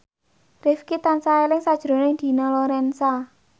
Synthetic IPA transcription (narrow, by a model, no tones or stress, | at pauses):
rɪfkit̪ansaelɪŋsad̥ʒ̥ɾo̤nɪŋd̪̥i̤nɔlɔɾɛnsa